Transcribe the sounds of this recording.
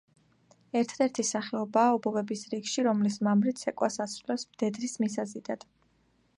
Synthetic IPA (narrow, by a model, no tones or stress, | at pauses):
ɛɾt̪ʰad̪ɛɾt̪ʰisaχɛɔbaːɔbɔvɛbisɾiɡʃiɾɔmlismamɾit̪sʰɛkʼwasasɾulɛpsmd̪̥ɛd̪ɾismisazid̪ad̪̥